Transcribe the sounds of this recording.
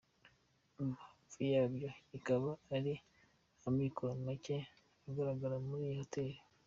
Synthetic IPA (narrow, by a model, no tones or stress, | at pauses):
uafijabjo̞ikaβaːɾi | amikoɾanmace | aɡaɾaɡaɾamuɾijoteɾo